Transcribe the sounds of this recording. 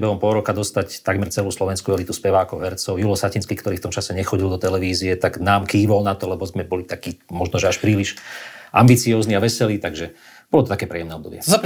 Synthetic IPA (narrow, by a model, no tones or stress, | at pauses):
bɛɦɔmpɔlɾɔkad̪ɔst̪act̪aɡmɛɾt͡sɛluːslɔʋɛnskuɛlit̪uspɛʋaːkɔʊɦɛɾt͡sɔʊjulɔsacinskikt̪ɔɾiːft̪ɔmt͡ʃasɛɲɛxɔɟild̪ɔt̪ɛlɛʋiːziɛt̪aɡnaːmkiːʋɔlnat̪ɔlɛbɔzmɛbɔlit̪akiːmɔʒnɔʒɛaʃpɾiːliʃʔambit͡siɔːzniaʋɛsɛliːt̪aɡʒɛ | bɔlɔt̪ɔt̪akɛːpɾɛjɛmnɛɔd̪ɔbɪɛa